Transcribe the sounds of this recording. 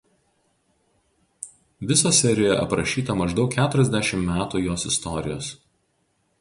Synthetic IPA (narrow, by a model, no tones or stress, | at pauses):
ʋʲɪsoːsʲɛɾʲɪjoɛʔɐ̰pɾɐʃʲiːt̪ɐmɐʒd̪ɒʊkkʲæːt̪ʊɾʲɛzʲd̪ʲæʃʲɪmːmʲæːt̪uːjoːsɪst̪ɔɾʲɪ̰jo̰ːs